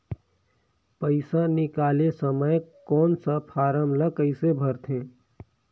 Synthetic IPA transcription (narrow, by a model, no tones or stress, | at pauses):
pəɪsanɪkaːlesəməjkɔːnsapʰaːɾəmləkəɪsebʱəɾt̪ʰẽː